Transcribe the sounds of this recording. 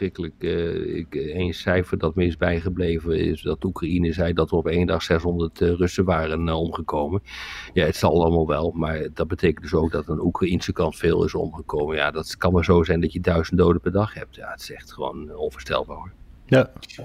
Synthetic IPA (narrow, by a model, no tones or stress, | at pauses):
srɪkələkɪ̰kejnsɛjfəɹdɑtmɪnsbɛjχəblejvənɪ̰sdɑtukrainəzɛjdɑtʋərɔpejndɑχsɛsɦɔndəɹtrɵsəʋaːrənɔmχəkowmənjaətsɑlˠɑlˠəmalˠʋɛlˠmaːɹdɑd̚bətʰejkəntdɵsowɡ̚dɑtənukrainsəkɑntfeːlˠɪ̰sɔ̰mχəkowmənjaːdɑtkɑnmazowzɛjndɑtjədœɥzəntdowdəpɛɹdɑχhɦɛp̚tja̰ətɪ̥sɛχtχəʋo̰ːnonv̥əɹstɛ̰lˠbaːɹɦoːɹa